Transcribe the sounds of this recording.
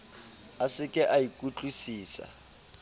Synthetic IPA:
asɪkʼɪʔaikʼut͡ɬʼusiːsa̰

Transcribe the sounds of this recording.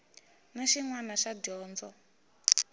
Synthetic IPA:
naʃiŋwanaʃadɔːnd͡zɔ

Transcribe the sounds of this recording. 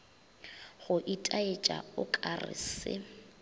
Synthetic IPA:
ɣʊʔitʼaet͡ʃʼa̰ʊkʼarɪ̰sɪ̰

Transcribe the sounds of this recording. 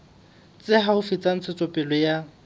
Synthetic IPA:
t͡sʼɪɦaʊfɪt͡sʼan̩t͡sʰɪt͡sʼɔpʼɪlɔja

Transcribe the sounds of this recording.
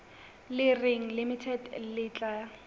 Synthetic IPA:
lɪrɪŋ̩limitʰɛdlɪːt͡ɬʼa

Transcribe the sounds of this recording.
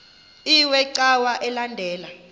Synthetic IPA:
iwɛǀawaʔɛlandʱɛːla

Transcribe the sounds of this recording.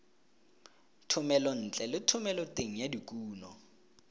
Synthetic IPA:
tʰʊmɛlɔn̩t͡ɬʼɛlɪtʰʊmɛlɔtʼeŋ̩jadikʼuːnɔ

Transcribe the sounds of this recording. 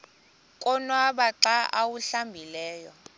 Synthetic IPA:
kʼɔnwaɓaǀaʔawuɬambʱilɛːjɔ

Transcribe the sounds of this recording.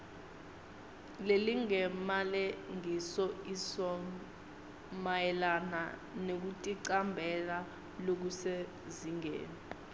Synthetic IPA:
leliŋɛmalɛŋisɔisɔ | majɛlana̰nek̬utʼiǀambʱɛla | lok̬usɛ | ziŋḛːnɛ

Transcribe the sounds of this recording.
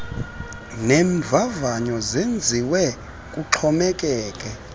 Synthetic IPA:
neɱvʱavaɲɔzend͡zʱiwɛ | kʼuǁʰɔmɛkʼɛːkʼɛ

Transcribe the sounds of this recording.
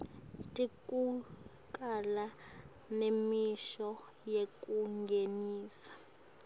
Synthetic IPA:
tʼikʼu | kʼala | nemiʃɔ | jekʼuŋɡʱeniːsḁ

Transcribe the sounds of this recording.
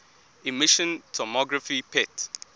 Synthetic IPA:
imiʃɔ̃ntʰɔmɔɡɹafipʰɛt

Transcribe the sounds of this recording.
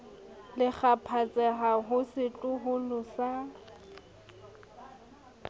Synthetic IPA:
lɪk͡xapʰat͡sʼɛɦaɦʊsɪt͡ɬʼʊɦʊlʊsa

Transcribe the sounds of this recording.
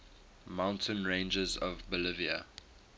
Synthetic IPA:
mãʊ̃ntʰə̃nɹẽɪ̃nd͡ʒəzɔvbəlɪviə̰

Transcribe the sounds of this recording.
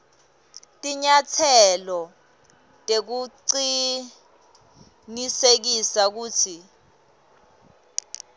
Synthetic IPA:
tʼiɲatʰɛlɔ | tʼek̬uǀi | nisek̬isak̬uːtʰi

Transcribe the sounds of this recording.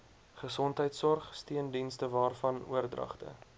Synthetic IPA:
χəsɔntɦəjtsɔrχstiəndinstəvɑːrfɐnuərdrɐ̰χtə̰

